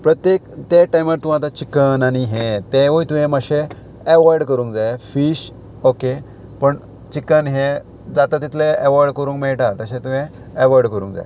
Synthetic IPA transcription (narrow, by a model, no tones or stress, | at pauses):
pɾət̪jekt̪eʈajmʋəɾt̪ũɦat̪at͡ɕikənaɽ̃iɦẽt̪eʋəjit̪ũɦẽmaɕeː | ʋaɾɖkəɾũːŋkd͡zaefiːɕ | oke | pəɳ | t͡ɕikːənɦe | d͡zat̪at̪it̪ʰleːʋaɾɖkəɾũːŋkmɛɭʈat̪əɕẽt̪uɦẽː | ʋəɾɖkəɾṵ̃ːŋkd͡za̰j